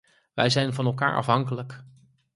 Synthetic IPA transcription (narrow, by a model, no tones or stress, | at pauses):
ʋɛjzɛjnvɑnɛlˠka̰ːɹʔɑ̰fɦɑŋkələk